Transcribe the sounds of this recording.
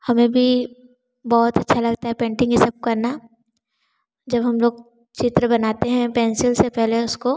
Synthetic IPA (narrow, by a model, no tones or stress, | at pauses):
hɐmẽbʱi | bɔːʊt̪ɐtːʃʰalɐɡt̪aɦɛpẽːɳʈɪ̃ŋɡɪsɐb̚kɐɾna | d͡ʒɐbɦɐmloːɡ̚ | t͡ʃɪt̪ɾəbɐnaːt̪eɦɛ̃pɛ̃ːnsɪlsepɛɦleʊsko